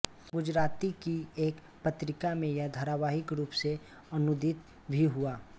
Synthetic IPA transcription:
ɡʊd͡ʒɾaːt̪ikieːk | pət̪ɾɪkamẽjad̪ʱəɾaʋaːɦɪkɾuːpse | ənʊd̪ɪt̪ | bʱiɦuaː

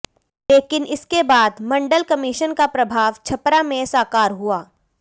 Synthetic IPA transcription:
leːkɪnɪskebaːd̪mɐ̃ɳɖəlkɐmɪʃənkapɾɐbʱaːʋt͡ʃʰɐpɾamẽsaːkaːɾɦuaː

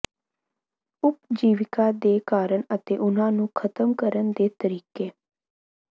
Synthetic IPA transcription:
ʊpd͡ʒiːʋɪkad̪eːkaːɾəɳət̪eːʔʊn̤ãːnũːkʰət̪əmkəɾənd̪eːt̪əɾiːkeː

